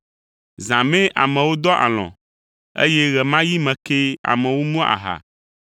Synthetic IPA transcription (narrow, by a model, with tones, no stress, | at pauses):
zã˨mẽ˦ʔa̰˨mɛ̃˨wo˦d̪ɔ˦ʔa̰˨l̃ɔ̰̃˨ | ḛ˦jɛ˦ɣɛ˨mã˦ji˦mɛ̃˨ke˦a̰˨mɛ̃˨wo˦mũ˦a̰˨ɦa̰˨